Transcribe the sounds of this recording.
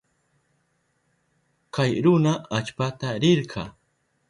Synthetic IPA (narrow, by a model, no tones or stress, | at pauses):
kajɾʊnaʔat͡ʃpat̪aɾɪɾqʰɑː